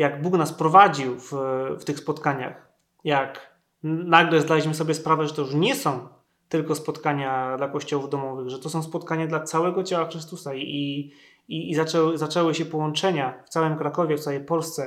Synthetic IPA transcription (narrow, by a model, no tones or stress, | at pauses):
jaɡbuknaspɾɔvad͡ʑiwfft̪ɘxspɔt̪kaɲa̰x | jak | naɡlɛzd̪alʲiɕmɘsɔbʲjɛspɾavɛʐɛt̪ɔjuʂɲɛsɔ̃w̃ | t̪ɘlkɔspɔt̪kaɲad̪lakɔɕt͡ɕɔwuvd̪ɔmɔvɘɣʐɛt̪ɔsɔ̃w̃spɔt̪kaɲad̪lat̪sawɛɡɔt͡ɕawaxɾɘst̪usai | iːzat͡ʂɛwɘzat͡ʂɛwɘɕɛpɔwɔnt͡ʂɛɲaft̪sawɘmkɾakɔvʲjɛft̪awɛjpɔlst̪sɛ